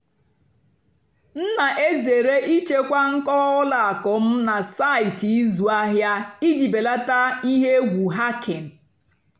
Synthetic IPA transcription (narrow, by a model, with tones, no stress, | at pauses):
n̩˦na˨ʔe˦ze˨ɾe˦ʔi˦t͡ʃe˦kʷa˦ŋ̩˦kɔ˦ʊ˦la˨a˨kɔ˨m̩˦na˨sa˦˨ɪ˨ti˨˦zu˨a˦ɦja˦i˦d͡ʒi˨be˨la˦ta˦i˦ɦe˦ɡʷu˨ɦa˦kʰɪ˨n̩˨